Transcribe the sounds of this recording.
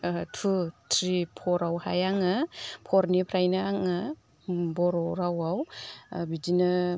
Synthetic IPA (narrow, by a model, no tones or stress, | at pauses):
tʰutʰɾipʰɔɾawha̰jaŋɯpʰɔɾnipʰɾajnaaŋa | bɔɾɔɾawawbid͡ʒinɯ